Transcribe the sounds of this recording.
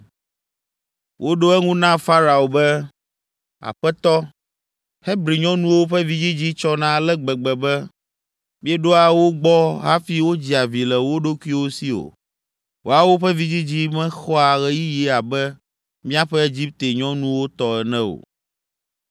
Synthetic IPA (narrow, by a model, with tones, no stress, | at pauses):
wʔo˦ɖo˦ɛ˦ŋũ˦nã˦fa˦ɾa˨o˨bɛ˦ | a̰˨ɸɛ˦t̪ɔ˦ | he˦bɾi˨ɲɔ̃˦nũ˦wo˦ɸɛ˦vi˨d͡ʑi˦d͡ʑi˦t͡ʃɔ˦nã˦lɛ˦ɡ͡bɛ˨ɡ͡bɛ˨bɛ˦ | mĩ˦ɛ˦ɖo˦a˨wo˦ɡ͡bɔ˦ɦa˦fi˦wo˦d͡ʑi˦a˨vi˨lɛ˨wo˦ɖo˦kʷi˦wo˦si˦o̰˨ | wo˦a˨wo˦ɸɛ˦vi˦d͡ʑi˦d͡ʑi˦mɛ̃˦xɔ˦a˨ɣɛ˦ji˦ji˦a˨bɛ˦ | mĩ˦a˦ɸɛ˦e˦d͡ʑi˦p̚t̪e˨ɲɔ̃˦nũ˦wo˦t̪ɔ˦ɛ˨nɛ̃˦o̰˨